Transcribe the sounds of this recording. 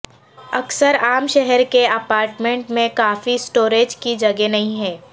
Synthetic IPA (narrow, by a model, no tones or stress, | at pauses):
ɐksəɾaːmʃɛɦɛɾkeɐpaːɾʈmẽɳʈmẽkaːfisʈoːɾeːd͡ʒkid͡ʒɐɡenɐɦĩɦɛː